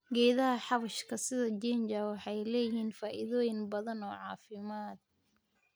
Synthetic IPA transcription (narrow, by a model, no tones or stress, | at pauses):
ɡɛːðɐɦɐħɑβɐʃkʰɐsɪðɐd͡ʒɛnd͡ʒɐwɑħɑjlɛːjɪhiːnfaːʔɪðɔːjɪŋbɐðɐnɔːʕɑːfɪmaːd̪̚